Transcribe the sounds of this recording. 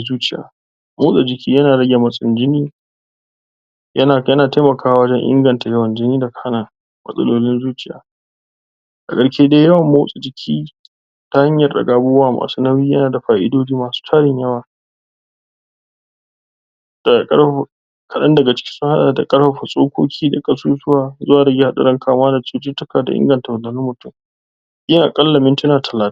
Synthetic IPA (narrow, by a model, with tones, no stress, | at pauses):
zuː˦t͡ʃɪ˦ja̰ː˨ | moː˦sʼa˨d͡ʒɪ˨kʲiː˦jɐ˦naː˨ɽɐ˦ɡʲa˨mɐ˦sʼɪ˦˨nd͡ʒɪ˦niː˦ | jɐ˦naː˨jɐ˦naː˨te˦mɐ˨kʰaː˦wa˨wɐ˦d͡ʒɛ˦ŋʔɪ̰˦ŋɡɐ˨nta˨jɐ˦wɐ˨nd͡ʒɪ˦niː˦da˨kʰaː˦naː˨ | mɐ̰˦sʼɐ̰˦loː˦lɪ˦nzuː˦t͡ʃɪ˦ja̰ː˨ | ʔa̰˨kʼɐ˦˨ɽʃeː˦de˦jɐ˦wɐ˨mːo˦sʼa˨d͡ʒɪ˨kʲʰiː˦ | ta˦ha˦ɲjɐ˨rɗɐ̰˨ɡaː˦bʊː˦waː˦˨ma̰ː˨suː˦nɐ˦wiː˦jɐ˦naː˨da˨ɸaː˨ʔɪ̰˦doː˦d͡ʒiː˦maː˨su̥ː˦tʰaː˦ɽɪ˨ɲjɐ˦waː˨ | d̥a˨kʼɐ˦ɽɸɐ˨ɸ | kʰɐ˨ɗɐ˦ndɐ˨ɡa˨t͡ʃɪ̥˦kʲɪ̥˦sʊ˦ha˦ɗaː˨da˨kʼɐ˦ɽɸɐ˨ɸa˨sʼoː˦kʷoː˦kʲʰiː˦da˨kʼɐ˦suː˦zʊ˦waː˨zʊ˦waː˨dɐ˦ɡʲe˦ha˦ɗɐ̰˨ɽɐ˦ŋkʰaː˨m˦aː˦da˨t͡ʃɪ˦t͡ʃɪ˦tʊ˦kaː˨da̰˨ʔɪ̰˦ŋɡɐ˨nta˨wʊ˨lːɐ˨nʊ˦mːʊ˨tʊ˦˨m | ʔɪ˦ʔa˨kʼɐ˦lːɐ˨mɪ˦ntʊ˦naː˨tʰɐ˨laː˦t